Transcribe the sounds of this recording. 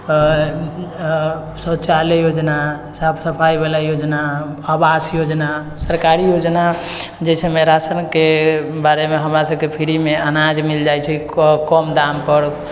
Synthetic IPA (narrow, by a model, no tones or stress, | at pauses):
sət͡ʃalejod͡ʒnasabʰsəpʰajbelajod͡ʒnaabasjod͡ʒna | səɾkaɾijod͡ʒna | d͡ʒɛsʰəmeɾasənkebaɾemeɦəmɾasəbkepʰiɾimeənad͡ʒmild͡ʒajt͡ʃʰɛkɔmd̪ampəɾ